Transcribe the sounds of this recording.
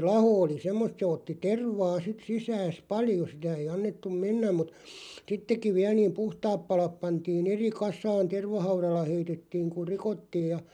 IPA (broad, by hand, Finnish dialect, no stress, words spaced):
lɑho oli semːost se otːi terʋɑː sit sisæːs pɑljo sitæ eij̆ ɑnːetːum menːæm mut sitːekˑiʋ̆ ʋiæl niːm puhtɑːp pɑlɑp pɑntiːn̞ eri kɑsˑɑːn terʋɑhɑurɑlːɑ heitetːiːŋ kur̆ rikotːiːj jɑ